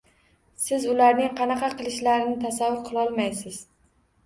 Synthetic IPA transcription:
sɪzʊlaɾnɪŋqʰɑnɑqʰɑqʰɨlˠɪʃlaɾɪnɪt̪ʰasavːʊɾqʰɨlˠɒlˠmajsɪz̥

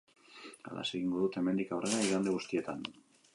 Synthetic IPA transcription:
a̰la̰seɣiŋɡo̞ðut̪e̞me̞nd̪ikawre̞ɾaiɾald̪e̞ɣust̪ie̞t̪an

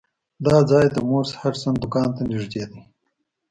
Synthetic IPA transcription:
d̪ɑːd͡zɑːjt̪amoɾshaɾsand̪ʊkɑːnt̪anɪʐd̪eːd̪i

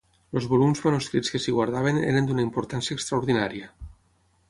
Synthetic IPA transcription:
lozβolumzmanuskɾit͡skesiɣwaɾð̞aβ̞enḛɾend̪unaimpoɾt̪ansjaekst̪ɾauɾðinaɾiə

